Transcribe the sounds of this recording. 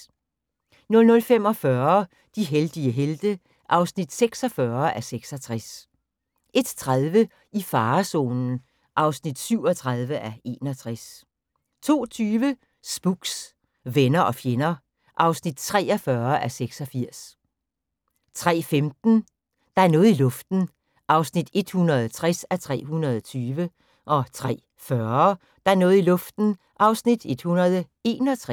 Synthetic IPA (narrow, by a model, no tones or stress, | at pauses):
nɔ̽lnɔ̽lfem̰ɒ̽fɶɐ | d̥iɦeld̥iəɦeld̥ə | ʔɑ̈ʊsnid̥seɡ̥sɒ̽fɶɐʔæseɡ̥sɒ̽t͡sʰʁas | ʔe̝d̥t͡sʰʁaðˠʋə | ifɑ̈ːso̝̰ːnn̩ | ʔɑ̈ʊsnid̥syʊ̰ɒt͡sʰʁaðˠʋəʔæe̝̰ːnɒ̽t͡sʰʁas | t͡sʰo̝̰ːt͡sʰyːʋə | sb̥uɡ̥s | ʋenɐʔɒ̽fjenɐ | ʔɑ̈ʊsnid̥t͡sʰʁɛ̰ːɒ̽fɶɐæseɡ̥sɒ̽fiɐ̰s | t͡sʰʁɛ̰ːfemd̥n̩ | d̥ɑ̈æɐnɔ̽ːð̩ˠilɔ̽fd̥n̩ | ʔɑ̈ʊsnid̥e̝d̥hunɐðˠt͡sʰʁɛsæt͡sʰʁɛ̰ːɦunɐðˠɒt͡sʰyːʋə | ʔɒ̽t͡sʰʁɛ̰ː | fɶɐ | d̥ɑ̈æɐnɔ̽ːð̩ˠilɔ̽fd̥n̩ | ʔɑ̈ʊsnid̥e̝d̥hunɐð̞ˠə | e̝ːnɒt͡sʰʁɛ